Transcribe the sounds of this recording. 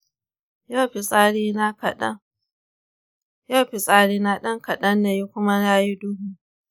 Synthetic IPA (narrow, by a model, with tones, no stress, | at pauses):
ja˦˨ɸi˨sʼa˦ɽiː˦n˦˨˦ | ja˦˨ɸi˨sʼaː˦ɽiː˦na˦ɗɐ˦ŋkɐ˨ɗɐ˦nːa˨ji˦kʷʊ˦ma˦na˦ji˦dʊː˦ɦu˨